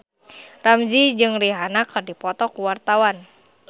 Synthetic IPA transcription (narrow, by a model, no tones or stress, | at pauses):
ramzid͡ʒɨŋriɦanakɨrdipɔt̪ɔkuwart̪awan